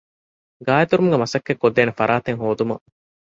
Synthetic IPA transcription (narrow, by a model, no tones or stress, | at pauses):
ɡaːjɐt̪uɾumuɡemɐsɐkːekːod̪ːeːnefɐɾʔaːt̪eŋɦoːd̪umɐ̰